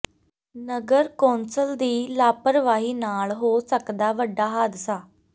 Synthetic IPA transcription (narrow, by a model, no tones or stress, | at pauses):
nəɡəɾkɔ̃ːnsəld̪iːlaːpəɾʋaːɦiːnaːɭɦoːsəkd̪aːʋəɖːaːɦaːd̪saː